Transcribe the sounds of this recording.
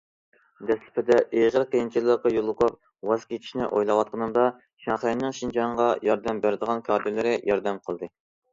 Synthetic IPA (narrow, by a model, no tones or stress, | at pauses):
d̪ɛslɪ̥pʰɪd̪ɛʔeʁəɾqejint͡ʃʰilːəqɑjolˠːəqʊp̚ | wɑzkʲʰet͡ʃ̪ʰi̥ʃnɪ̰ʔojlˠɑwɑt̪̚qʰənɨmd̪ɑ | ʃɑχenːɨŋʃind͡ʒɑɴʁɑjɑɾd̪ɛmbæɾɪd̪əʁɑnkʰɑd̪ɪlɪɾɪjʔɑɾd̪ɛmqʰəlˠd̪ɨ